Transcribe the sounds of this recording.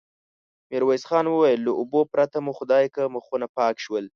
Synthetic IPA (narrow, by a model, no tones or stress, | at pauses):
mɪɾwajsxɑnwəwajəlːəʔʊbopɾat̪amuxʊd̪ɑjkəməxunapɑkʃwəl